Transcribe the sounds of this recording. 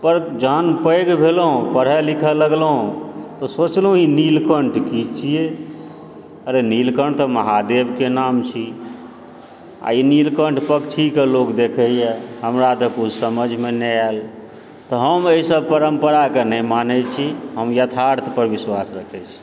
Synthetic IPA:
pəɾd͡ʒəɦənpəjɡbʱelɦũpəɽɦɛlikʰələɡləɦũt̪ɔsot͡ʃlɦũinilkəɳʈkit͡ʃʰije | əɾenilkəɳʈt̪ɔməɦad̪ebʱkenamt͡ʃʰi | a̰inilkəɳʈpəkt͡ʃʰikelokd̪ekʰɛjeɦəmɾad̪əkusəməd͡ʒʱmeneal | t̪ɔɦəməisəb̚pəɾəmpəɾakenəmanɛt͡ʃʰiɦəmjət̪ʰaɾt̪ʰpəɾbiswasɾəkʰɛt͡ʃʰ

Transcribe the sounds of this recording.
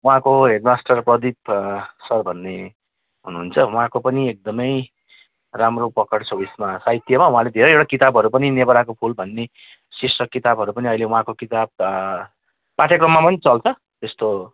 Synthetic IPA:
uɦãkoɦeʈmasʈʌrprʌd̪ipsʌrbʱʌnːe | ɦunuɦunt͡sʰʌuɦãkopʌniek̚d̪ʌmʌj | ramropʌkʌʈsʰobismasaɦjt̪jʌmaw̃ɦãled̪ʱeɾʌjewɽʈakit̪abʱʌɾupʌninebʌɾakopʰulbʱʌnːe | sisʌkkːit̪abʱʌɾupʌniʌilewũɦãkokit̪ab̚ | paʈʰjʌkrʌmːapʌnit͡sʌlt͡sʰʌ | t̪est̪o

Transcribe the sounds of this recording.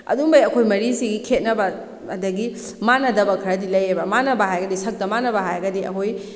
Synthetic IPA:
ɐ̰duŋbɐjɐkʰojmɐɾisiɡikʰet̚nɐbɐː | dɐɡi | manɐdɐbɐkʰɐɾɐdilɐjebɐmanɐbɐɦajɡɐdisɐk̚dɐmanɐbɐɦajɡɐdiʔɐ̰kʰoj

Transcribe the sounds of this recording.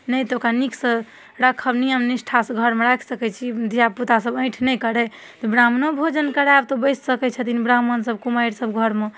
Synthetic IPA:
nəjt̪ɔokɾanikʰsə | ɾakʰəbniəmnisʈʰasɡʱəɾmeɾakʰsəkɛt͡ʃʰid̪ʱijaput̪asəbə̃ɪ̃ʈʰnɛjkəɾɛ | t̪ɔbɾamnobʱod͡ʒənkəɾaabt̪obəjsʰsəkɛt͡ʃʰət̪inibɾamənsəb̚kumajɾsəbɡʱəɾme

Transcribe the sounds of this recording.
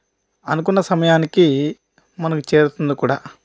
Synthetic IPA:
ɐnukunːɐsɐmɐjaːniki | mɐnɐkut͡ʃe̞ːɾut̪und̪ikuːɽaː

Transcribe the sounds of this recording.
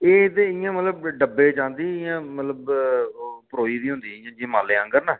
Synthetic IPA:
eːt̪eɪjãːmət̪ləb̚ɖəbːeːt͡ʃãːnd̪iːɪjãːmət̪ləb | pəɾoːiːd̪iːɦʊ̃nd̪iːɪjãːd͡ʒiːmaːleːə̃ŋɡəɾnãː

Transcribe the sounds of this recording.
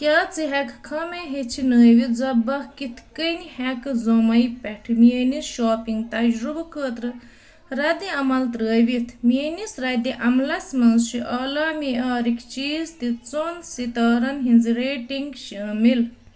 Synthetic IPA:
t̪ʲjaːt͡siɦɛkʰkʰɐmeɦet͡ʃʰinəːjʋit̪zɐbɐhkit̪ʰkənhɛkzomɐjpɛʈʰmienisʃoːpiŋɡt̪ɐd͡ʒɾubɐkʰəːt̪ɾɨ | ɾɐd̪iɐmɐlt̪ɾəːjʋit̪ʰmienisɾɐd̪iʔɐmlɐsmɐnzʃiʔɐːlaːmiaːɾikʲʰt͡ʃiːzt̪it͡sonsit̪ɐːɾɐnɦinziɾeːʈiŋɡʃiːmil

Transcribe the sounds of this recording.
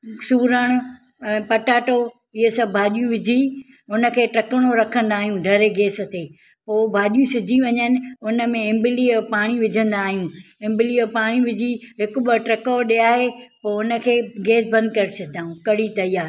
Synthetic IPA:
suːɾəɽ̃ʊ | ɛ̃ːpɐʈaːʈo | ɪɦəsɐbbʱaːɗijũʋɪd͡ʑʱi | ʊnə̆kʰeːʈɾɐkəɽ̃oɾɐkʰə̃nd̪aːɦijũɖʱɐɾeɡeːsə̆t̪eː | poːbʱaːɗijũsɪd͡ʑʱiʋɐɲənɪ̆ʊnə̆mẽɪ̃mbɪliəpaːɽ̃iʋɪd͡ʑʱə̃nd̪aːɦijũɪ̃mbɪliəpaːɽ̃iʋɪd͡ʑʱiɦɪkʊ̆ɓəʈɾɐkoɗeaːɦepoːʊnə̆kʰeːɡeːsbɐ̃nd̪kɐɾɪt͡ʃʰɐd̪aːɦũkɐɽit̪ɐijaːɾ

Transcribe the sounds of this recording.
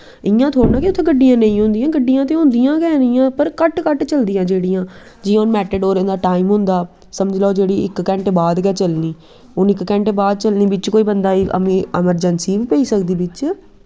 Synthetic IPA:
ɪjãːt̪ʰoːɽnãːkiʊt̪ʰːẽːɡəɖːijãːnə̃ĩːɦʊ̃nd̪ɪjãːɡəɖːijãːt̪eːɦʊ̃nd̪ijãːkɛːnɪjãːpəɾkəʈkəʈt͡ʃəld̪ɪjãːd͡ʒeːɽijãː | d͡ʒɪ̃ːʊnmɛːʈəɖoːɾẽːnd̪aːʈaːɪmɦʊ̃nd̪aː | səməd͡ʒlaoːd͡ʒeːɽiːɪkːɛ̃ːɳʈebaːd̪kɛːt͡ʃəlniː | ʊnɪkkɛ̃ːɳʈebaːd̪̚t͡ʃəlniːbɪt͡ʃkoːiːbənd̪aːiːə̰mĩːɪməɾd͡ʒənsiːʋiːpɛiːsək̚d̪iːbɪt͡ʃ

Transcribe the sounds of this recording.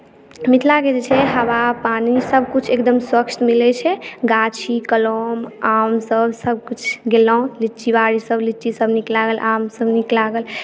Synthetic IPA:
mit̪ʰlaked͡ʒet͡ʃʰɛɦəbapanisəbʱkut͡ʃʰekd̪əmswəkt͡ʃ̪milɛt͡ʃʰɛɡat͡ʃʰikəlomamsəbʱsəbʱkut͡ʃʰɡelɔ̃lit͡ʃibaɾisəblit͡ʃisəbniklaɡəlʔamsəbniklaɡəl

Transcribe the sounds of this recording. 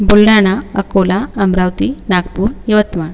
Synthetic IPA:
bulɽaɽ̃aəkolaɐmɾaʋt̪inaɡpuːɾjɐʋət̪maɳ

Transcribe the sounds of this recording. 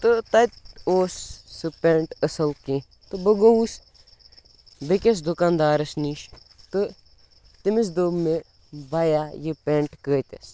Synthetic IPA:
t̪ɨt̪ɐt̪̚ʲoːsːɨpeːɳʈəsɐlkẽ | t̪ɨbəɡɐusʲ | bekʲes̬d̪ukaːnd̪aːɾɐsniːʃ | t̪ɨ | t̪imis̬d̪oːme | baːjajipeːɳʈkəːt̪ʲes

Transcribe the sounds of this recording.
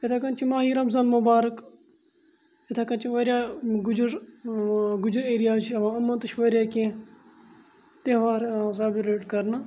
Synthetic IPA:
et̪ʰakɐnt͡ʃʰimaːɦiːɾɐmzaːnmʊbaːɾək | et̪ʰaːkɐnt͡ʃʰiʋɐɾjaːɡʊd͡ʒɾ | ɡʊd͡ʒɾeːɾijaːt͡ʃʰiɐʋãːɐmːɐnt̪ɨʃʋɐɾʲjaːkẽː | t̪eɦʋaːɾsaːbiɾeːʈkɐɾna

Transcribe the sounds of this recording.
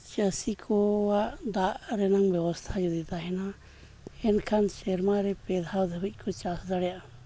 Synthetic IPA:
t͡ʃəsikʰɔwaʔd̪aʔɾɛnaŋbɛwɔst̪ʰad͡ʒud̪it̪aɦɛna | ɛnkʰansɛɾmaɾɛpɛd̪ʱɦawd̪ʱəbic̚ˀkʰɔt͡ʃasd̪aɽɛjaʔ

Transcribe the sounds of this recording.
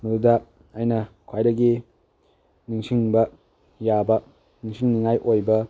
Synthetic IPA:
nuuda | ajnɐkʰwajdɐɡi | niŋsiŋbɐ | jabɐ | niŋsiŋniŋajʔojbɐ

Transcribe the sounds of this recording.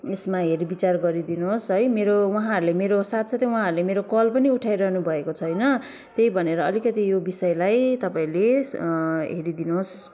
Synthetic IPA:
esmaɦeɾibit͡sarɡʌɾid̪inuɦosʌjmeɾowʌɦãɦʌɾulemeɾosat̪sat̪ʌjwaɦãɦʌɾulemeɾokʌlpʌniuʈʰajɾʌɦnubʱʌekot͡sʰʌjnʌ | t̪ejbʱʌneɾʌʌlikʌt̪ijobisʌjelajt̪ʌpãĩle | ɦeɾid̪inuos

